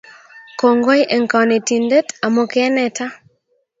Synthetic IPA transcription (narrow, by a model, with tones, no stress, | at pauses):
ko˨ŋɡɔ˦jʔɛ˨ŋka˨ne˨ti˨nde˦ta˨mo˦keɛ˦nɛ˨ta˦